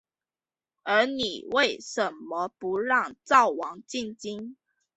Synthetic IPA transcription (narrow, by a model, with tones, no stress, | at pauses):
ə˧˥ni˨˩we˥˩ɪʂə˨˥nmɔ˧˦pu˧˥ɻɑ˥˨ŋt͡sɑ˥˩ʊwɑ˨˧˥ŋt͡ɕi˥˩nt͡ɕi˥n